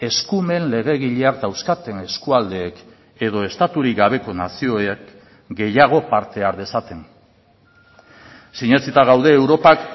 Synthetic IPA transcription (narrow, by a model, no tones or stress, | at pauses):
e̞skume̞nle̞ɣ̞e̞ɣ̞iʎe̞ak̚d̪awskat̪e̞nŋe̞skuald̪e̞ːk | e̞ð̞o̞e̞st̪at̪uɾiɡaβ̞e̞ko̞nasio̞ek | ɡe̞jaɣ̞o̞paɾt̪e̞aɾðe̞sat̪e̞ŋ | siɲet͡sit̪aɣawðe̞ːwɾo̞pak